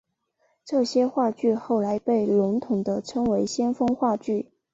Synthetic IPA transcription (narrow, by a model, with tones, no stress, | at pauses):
ʈ͡ʂɤ˥˩ɕjɛ˥xwa˥˧t͡ɕy˥˧xo˥˩ʊla˧˥ɪpe˥˩ɪlʊ˧˥ŋt̪ʰʊ˨˩ŋd̪ə˦ʈ͡ʂʰɤ˥ŋwe˧˥ɪɕjɛ˥nfɤ˥ŋxwa˥˧t͡ɕy˥˩